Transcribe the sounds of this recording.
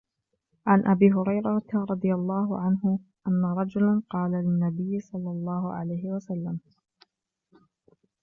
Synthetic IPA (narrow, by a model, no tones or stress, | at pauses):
ʕanʔabiːɦʊɾɑjɾˤɑɾˤɑd̪ˤɨjalˤːɑːhʊʕanɦʊʔanːaɾˤɑd͡ʒʊlanqɑːlalɪnːabɪjːɪsˤɑlːɑlˤːɑːhʊʕa̰lajhɪwasalːam